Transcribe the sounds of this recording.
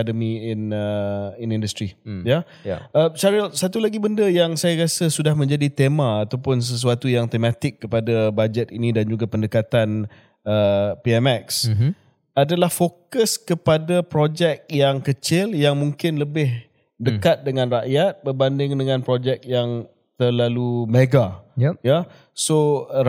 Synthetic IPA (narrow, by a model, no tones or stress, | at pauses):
dəmiɪnəɪnĩndəst̪ɾija | əsaɾisat̪ulaɡibəndəjaŋsajaɾasasudahmə̃ɲd͡ʒadit̪emaːt̪awpʊns̬əs̬uat̪ujaŋt̪emãt̪ɪkːəpadabad͡ʒɛt̪inĩdand͡ʒuɡapəndəkat̪an | əpiɛmɛks | adalahfokəskəpadapɾod͡ʒɛk̚jaŋkət͡ʃɪljaŋmũŋkɪnləbɪh | dəkat̪̚dəŋãnraʔjat̪̚bərbandɪŋdəŋãnpɾod͡ʒɛk̚jaŋ | t̪ərlalumeɡajja | so